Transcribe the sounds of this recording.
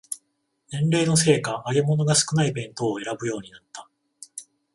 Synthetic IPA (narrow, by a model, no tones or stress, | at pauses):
nẽ̞nɾe̞ːno̞s̬e̞ːkaʔːɡe̞mo̞no̞ɡasɨ̥kɯ̟naibẽ̞nt̪o̞ːe̞ɾabɯ̟jo̞ːɲ̟inat̪ːḁ